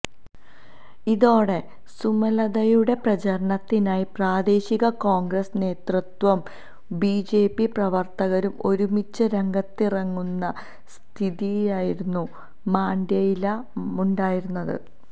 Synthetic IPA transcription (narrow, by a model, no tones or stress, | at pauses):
iðo̞ːɽe̞ | sumɐlɐðɐjuɽe̞prɐt͡ɕɐɾɐɳɐt̪ːinaːjipraːd̪e̞ːɕiɣɐko̞ːŋɡrɐsne̞ːt̪rɨt̪wɐm | biːd͡ʑe̞ːpːiprɐʋɐrt̪ɐɣɐɾumo̞ɾumit͡ɕːɨɾeŋɡɐt̪ːirɐŋːunːɐ | st̪ʰiðijjaːjiɾunːu | maːnd̪jɐjilɐmuɳɖaːjiɾunːɐðɨ̰